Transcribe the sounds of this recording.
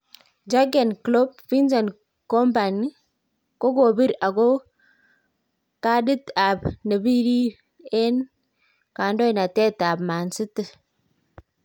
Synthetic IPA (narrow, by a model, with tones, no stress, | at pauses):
d͡ʒa˦ɡɛ˨nklo˦b̚fi˦nsa˨n | kɔ˦mba˨ni˦ | ko˦ko˨bi˦ɾa˨ko˦ | ka˦di˦ta˨b̚ne˨bi˦ɾi˦ | e˦n | ka˨ndɔ˦˨na˨tɛ˦ta˨bma˨nsɪ˦tɪ˨